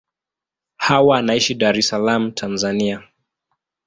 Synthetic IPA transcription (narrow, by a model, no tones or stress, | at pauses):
hawaːnaiʃiɗaɾɛsalam̩tʰanzania